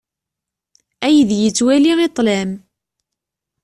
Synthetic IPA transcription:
æjðjət͡sːwæliʁit̪ˤlæm

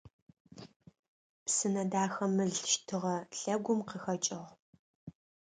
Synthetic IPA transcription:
psɨnɐdaːxɐmɨɮʃtʰɨʁɐɬɐɡʷʊmqəxɐt͡ʃʼɪʁ

